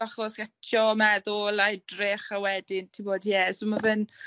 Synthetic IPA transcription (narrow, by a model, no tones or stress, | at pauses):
aχɔsɡ̥atʰɔmɛðʊlˠajdrɪχawɛdɪntʰiboːdjɛsomavɨn